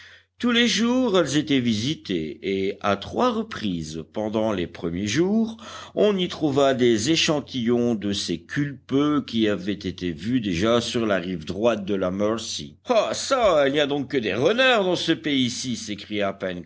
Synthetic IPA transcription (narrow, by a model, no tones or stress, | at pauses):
t̪uleʒuʁɛlzet̪ɛvizit̪ḛeat̪χwaʁəpχizpɑ̃d̪ɑ̃lepχəmjeʒuːʁɔ̃nit̪χuvad̪ezeʃɑ̃t̪ʰijɔ̃d̪əsekʲʰylpøkʲiavɛt̪et̪evyd̪eʒasyʁlaʁivd̪ʁwat̪̚d̪əlamœʁsḭ | asailnijad̪ɔ̃kːəd̪eʁənœʁd̪ɑ̃səpeisisekχijapɛn